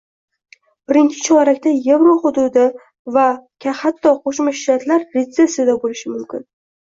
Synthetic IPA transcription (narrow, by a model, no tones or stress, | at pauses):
b̥ɪɾɪnt͡ʃʰɪ̥t͡ʃʰɒɾakʲt̪aje̞vɾoχʊd̪ʊd̪ɪ | vakʲʰahat̪ʰːɒqʰoʃmaʃɪɾat̪ʰlaɾːet̪se̞sijad̪abolɪʃɪmʊmkʲɪn